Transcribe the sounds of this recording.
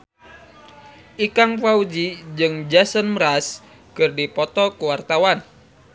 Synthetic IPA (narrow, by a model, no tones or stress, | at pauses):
ʔikaŋpaud͡ʒid͡ʒɨŋd͡ʒasənməɾas | kɨrdipɔt̪ɔkuwart̪awan